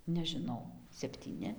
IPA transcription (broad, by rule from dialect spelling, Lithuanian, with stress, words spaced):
nʲɛʒʲɪˈnɐʊ sʲɛpʲtʲiːˈnʲɪ